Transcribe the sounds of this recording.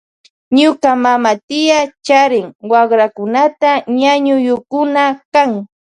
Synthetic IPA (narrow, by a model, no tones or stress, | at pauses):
ɲʊkamamat̪ɪjat͡ʃaɾɪŋwaχɾakʊnat̪aɲaɲʊjʊkʊnakaŋ